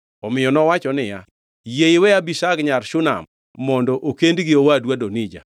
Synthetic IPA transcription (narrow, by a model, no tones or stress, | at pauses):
ɔmɪjɔnɔwat͡ʃɔnɪja̰ | jeɪwɛabiʃaɡɲaɾʃʊna̰mː | ɔndɔʔokendɡɪowadwadonid͡ʒa̰